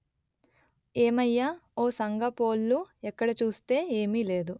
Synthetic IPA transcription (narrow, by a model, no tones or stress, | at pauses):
eːmɐjːaːoːsɐŋɡɐpoːlːuɛkːɐɽɐt͡ʃuːst̪e̞ːeːmile̞ːd̪u